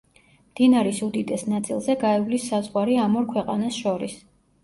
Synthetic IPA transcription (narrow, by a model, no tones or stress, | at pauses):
md̪̥inaɾisud̪id̪ʼɛsnat̪sʼḭlˠzɛɡaɛvlisːazʁwaɾiamɔɾkʰwɛqʼanasʃɔɾis